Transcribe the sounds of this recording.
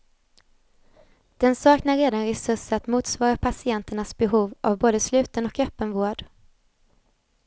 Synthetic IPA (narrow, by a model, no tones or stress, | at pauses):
d̪̥ɛnsɑːknaɾeːd̪anɾɛsɵʂat̪muːt̪svɑːɾapʰasɪɛnt̪əɳasbɛɦuːvʔavboːd̪əslʉ̟ːt̪ənɔkœpːənvoːɖ